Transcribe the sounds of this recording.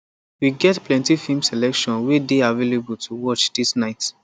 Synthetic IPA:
wiɡɛtplɛ̃ntifimsɛlɛkʃɔ̃nwedeavelebultʰuwɔt͡ʃdisnaɪt

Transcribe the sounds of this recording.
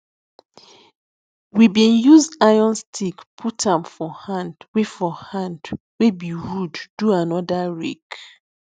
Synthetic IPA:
wibĩnjuzajɔ̃nstʰikpʰutʰãmfɔhãndwefɔhãnd | webiɹudːuanɔdaɹek

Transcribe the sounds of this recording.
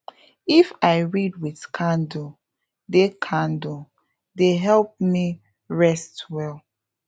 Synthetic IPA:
ifaɪɹid̚witkʰãndu | dekʰãndu | deɦɛlp̚mi | ɹɛstwɛl

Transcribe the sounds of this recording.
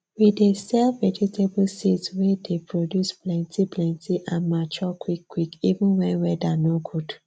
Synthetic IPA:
widesɛlvɛd͡ʒitʰeblsitswɛdepɹodjusplɛ̃ntiplɛ̃ntʰiʔãnmat͡ʃɔkʰwikːwikivũnwɛ̃nwɛdanoɡud

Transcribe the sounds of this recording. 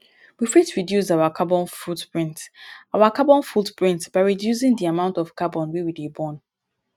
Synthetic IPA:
wifɹitɹidjus̬awakʰabɔ̃nfɹutpɹĩntawakabɔ̃nfutpɹĩntb̥aɪɹidjus̬ĩŋdiamãʊ̃ntɔfkabɔ̃nwiwidibɔ̃n

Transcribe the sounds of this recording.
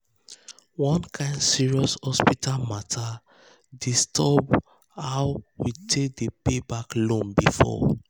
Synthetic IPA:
wɔ̃nkʰãɪ̃ndsiɹiɔshɔspitalmatʰa | distʰɔb | hawwitʰek̚depebaklõmbifɔ̰

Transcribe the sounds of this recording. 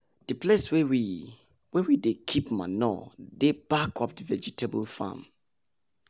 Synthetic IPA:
d̥əpleswɛwi | wɛwidekʰipma̰nɔ̰debakʰɔp̚dəvɛd͡ʒitʰebə̰lfa̰m

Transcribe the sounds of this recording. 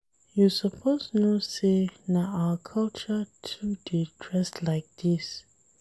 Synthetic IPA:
jusəpʰosnɔsenaawəkʰalt͡ʃətʰuditʰɹɛstlaɪk̚d̪̥is

